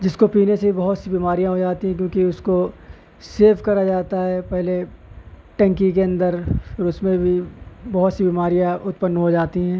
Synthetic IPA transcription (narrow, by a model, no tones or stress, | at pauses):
d͡ʒɪskopiːnesebʱibɐɦʊt̪sibiːmaːɾijãɦod͡ʒaːt̪iɦɛ̃k̬jõːkiʊsko | seːfʰkɐɾad͡ʒaːt̪aɦɛːpɛɦle | ʈɛ̃ŋkĩk̬eɐ̃nd̪əɾfɪɾʊsmẽbʱibɐɦʊt̪sibiːmaːɾijãʔʊt̪pənːɦod͡ʒaːt̪iɦɛ̃ː